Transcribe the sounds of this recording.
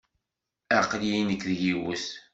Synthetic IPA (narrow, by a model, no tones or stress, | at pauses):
æqlinəkːðəʝiwəs